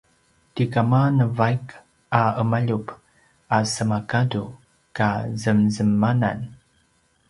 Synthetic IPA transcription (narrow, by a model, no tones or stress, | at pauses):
tikamanəvajk | aəmaʎup | asəmakadu | kazəmzəmːana̰n